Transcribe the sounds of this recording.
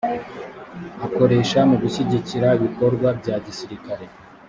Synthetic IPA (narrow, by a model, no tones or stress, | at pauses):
ako̞ɾe̞ːʃamuɡuɕiɟiciɾaiβiko̞ɾɡwabɟaːɟisiɾikaɾe̞